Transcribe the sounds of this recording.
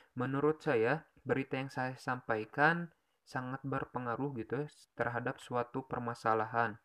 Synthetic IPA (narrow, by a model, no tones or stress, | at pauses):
mənuɾʊt̪̚saja | bəɾit̪ajaŋsajasampajkan | saŋat̪̚bərpəŋaɾʊhɡit̪uj | t̪ərɦadap̚suat̪upərmasalaɦan